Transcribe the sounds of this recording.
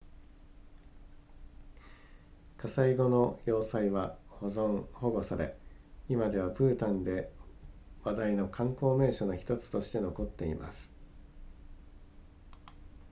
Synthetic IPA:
kasaiɡo̞no̞jo̞ːsaiβahozõŋho̞ɡo̞saɾe̞̰imad̪e̞β̞apɯ̟ːt̪ãnd̪e̞ | βad̪aino̞kʰãŋko̞ːme̞ːɕo̞noçi̥t̪o̞t͡sɨ̥t̪o̞ɕi̥t̪e̞no̞ko̞t̪ːe̞ḭma̰sɨ̥

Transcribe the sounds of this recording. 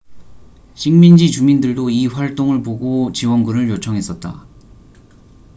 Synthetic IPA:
ɕʰiŋmind͡ʑit͡ɕumindɯɭdoiɸwaɭt͈oŋɯɭpoɡot͡ɕiwʌnɡuɾɯɭjot͡ɕʰʌŋɦe̞s͈ʌt̚t͈a̰

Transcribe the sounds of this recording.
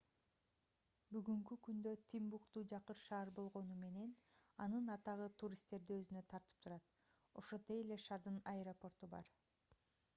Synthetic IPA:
byɡyŋkykynd̪øt̪ʰimbukt̪ud͡ʒɑqɯɾʃɑːɾbo̞lˠʁo̞nume̞ne̞nɑnɯnɑt̪ɑʁɯt̪ʰuɾʲist̪e̞ɾd̪iøzynø̞t̪ʰɑɾt̪ɯ̥p̚t̪ʰuɾɑt̪ | o̞ʃot̪ejele̞ʃɑɾd̪ɯnɐeɾopo̞rt̪ubɑ̰ɾ

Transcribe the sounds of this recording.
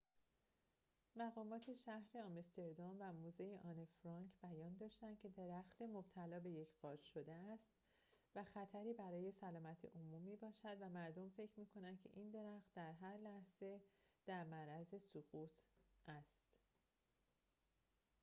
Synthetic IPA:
mæɣɒːmɒːt̪ʰe̞ʃæhɾeɒmest̪e̞ɾd̪omvæmuːzejeʔɒːnefɾɒŋkʰb̥æjɒːnd̪ɒːʃt̪æncʰe̞d̪e̞ɾæxt̪e̞mob̥̚t̪ʰælɒːbe̞jecʰɢ̥ɒːɾʃo̞d̪eæst̪ | væxæt̪ʰæɾiːbæɾɒːje̞sælɒːmæt̪ʰḛʔomumiːbɒːʃæd̪væmæɾd̪o̞mfe̞cʰɾmiːkʰo̞nænd̪̚cʰe̞̰ʔind̪e̞ɾæxt̪̚d̪æɾɦæɾlæhz̥e̞d̪̥æɾmæɾæzesoɣuːt̪ʰʔæst̪

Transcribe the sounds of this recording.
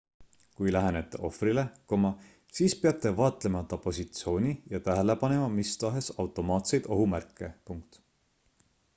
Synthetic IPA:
kujlæɦenet̪ːˑḛʔo̞̰frile̞komɑ | siːspeɑt̪ːˑe̞vɑːt̪ˑle̞mɑt̪ːɑpo̞sʲit̪sio̞ːnʲijɑt̪æɦele̞pɑne̞mɑmist̪ɑɦe̞sɑwt̪ːˑo̞mɑːt̪se̞jd̪̥o̞ɦumærkːˑepuŋk̚t̪

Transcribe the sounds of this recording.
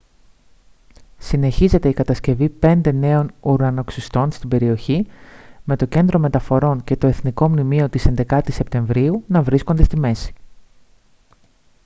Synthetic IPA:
sine̞çize̞t̪e̞ikɐt̪ɐsce̞vipe̞nd̪e̞ne̞o̞nuɾɣɐno̞ksist̪o̞nst̪ibe̞ɾio̞çime̞t̪o̞ce̞nd̪ɾo̞me̞t̪ɐfo̞ɾo̞ɲce̞t̪o̞e̞θniko̞mnimio̞t̪ise̞nd̪e̞kɐt̪ise̞pt̪e̞ɱvɾiunɐvɾisko̞nd̪est̪ime̞si̥

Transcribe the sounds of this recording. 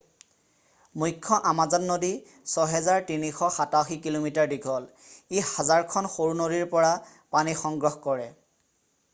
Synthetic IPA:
mujkʰːɔʔamazɔnːodi | sɔɦɛzaɹtinixɔxataxikilomitaɹdiɡʱɔl | ihazaɹkʰɔnxoɹunoɹiɹpɔɹa | panixɔŋɡɹɔxkɔɹɛ

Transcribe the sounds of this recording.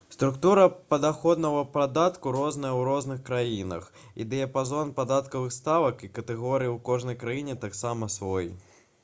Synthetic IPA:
st̪ɾukt̪uɾɐpɐd̪axɔd̪nɐɣɐpɾad̪at̪kuɾɔznɐjɐwɾɔznɨxkɾajinɐ̰xḭd̪ɛjɐpazɔnpad̪at̪kɐvɨxst̪avɐkikɐt̪ɛɣɔɾɨjiwkɔʐnɐjkɾajinʲɛt̪aksamɐsvɔj

